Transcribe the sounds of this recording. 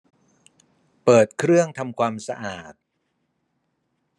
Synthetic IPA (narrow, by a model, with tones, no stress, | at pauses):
pɤː˨˩t̪̚kʰɾɯ˥˩əŋt̪ʰa˧mkʰwaː˧msa̰˧ʔaː˨˩t̪̚